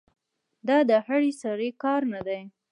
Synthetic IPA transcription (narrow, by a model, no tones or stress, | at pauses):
d̪ɑd̪əhaɽisaɾekɑɾnad̪aj